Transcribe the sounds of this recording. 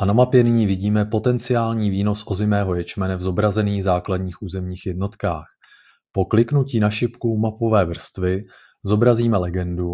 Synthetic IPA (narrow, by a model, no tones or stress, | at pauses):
ʔanamapjɛnɪɲiːvɪɟiːmɛpo̞t̪ɛnt͡sɪaːlɲiːviːno̞sʔo̞zɪmɛːɦo̞jɛt͡ʃmɛnɛvzo̞bɾazɛniːɣzaːkladɲiːxʔuːzɛmɲiːxjɛdno̞t̪kaːx | po̞klɪknuciːnaʃɪpkumapo̞vɛːvr̩st̪vɪ | zo̞bɾaziːmɛlɛɡɛndu